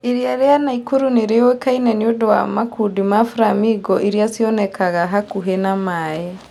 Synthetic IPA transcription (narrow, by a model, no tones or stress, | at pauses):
eɾiaɾeanaikuɾuneɾewekainɛniodowa̰makudimafuɾamiɡɔʔeɾiasiɔnɛkaɣaɦakuɦenamaːe